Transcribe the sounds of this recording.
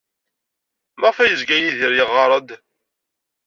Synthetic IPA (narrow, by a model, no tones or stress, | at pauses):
məʁfæjəzɡæjiðiɾjəʁːɑɾˤəd̪